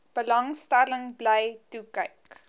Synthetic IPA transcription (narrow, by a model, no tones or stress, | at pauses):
b̥əlɐŋstæləŋblɛjtukəjk